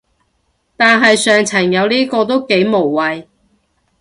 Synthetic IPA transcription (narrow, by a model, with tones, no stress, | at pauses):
t̪aː˨nɦɐ˨jsœː˨ŋt͡sʰɐ˨˩ŋjɐ˨˧wniː˥kɔː˧t̪o˥wke˨˥jmo˨˩wːɐ˨j